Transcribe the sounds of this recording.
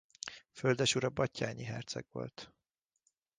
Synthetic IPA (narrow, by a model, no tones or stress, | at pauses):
føld̪ɛʃuɾɒbɒcːaːɲiɦɛrt̪sɛ̰ɡʋo̞̰lt̪